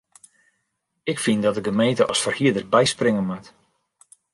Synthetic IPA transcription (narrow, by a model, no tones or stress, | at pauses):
ɪkfindɔtdəɡəmejntəʔɔsfərhiədərbɛjsprɪŋənmat